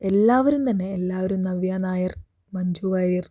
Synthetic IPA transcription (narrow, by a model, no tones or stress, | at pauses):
e̞lːaːʋɐɾumt̪ɐnːe̞ːlːaːʋɐɾumnɐʋjaːnaːjɐr | mɐɲd͡ʑuːʋaːɾir